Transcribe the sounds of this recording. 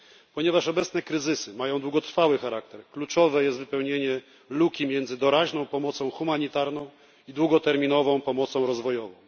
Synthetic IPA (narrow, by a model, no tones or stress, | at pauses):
pɔɲɛvaʂɔbɛt̪snɛkɾɘzɘsɘmajɔ̃w̃d̪wuɡɔt̪ɾfawɘxaɾak̚t̪ɛɾklut͡ʂɔvɛjɛst̪vɘpɛwɲeɲɛ | lukʲimʲjɛnd̪zɘd̪ɔɾaʑnɔ̃w̃pɔmɔt̪sɔ̃w̃xumaɲit̪aɾnɔ̃w̃ | id̪wuɡɔt̪ɛɾmʲinɔvɔ̃w̃pɔmɔt̪sɔ̃w̃ɾɔzvɔjɔvɔ̃w̃